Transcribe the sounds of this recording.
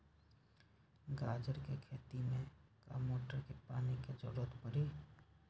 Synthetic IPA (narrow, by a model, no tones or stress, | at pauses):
ɡaːd͡ʒəɾkekʰeːt̪imẽka̰ːmoːʈəɾkepaːniked͡ʒəɽət̪pəɾiː